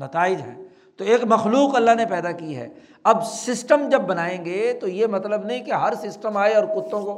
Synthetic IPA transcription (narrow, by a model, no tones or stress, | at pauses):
nɐt̪aːɪd͡ʒɦɛ̰ː | t̪oeːkmɐxluːqɐlːaɦnepɛːd̪akiɦɛ̰ː | ɐbsɪsʈəmd͡ʒɐbːɐnaːẽːɡet̪ojemɐt̪ləbnɐɦĩkeɦɐɾsɪsʈəmaːeɔːɾkʊt̪ːõko